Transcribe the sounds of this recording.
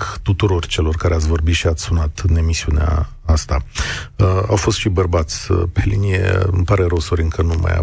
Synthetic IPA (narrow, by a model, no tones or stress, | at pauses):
kt̪ut̪uɾo̞rt͡ʃe̞lo̞rkaɾeat̪sʲvo̞rbit̪ʃiat̪sʲsunat̪ɨne̞misiunea̰ | ast̪aəawfo̞st̪ʃibərbat̪sʲəpe̞linije̞̰ɨmpaɾe̞ɾowso̞ɾʲɨŋkənuma̰ja̰